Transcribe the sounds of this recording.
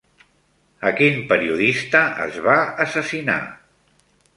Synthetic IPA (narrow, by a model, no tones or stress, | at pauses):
əkinpəɾiuðist̪əə̰zβaəsəsina̰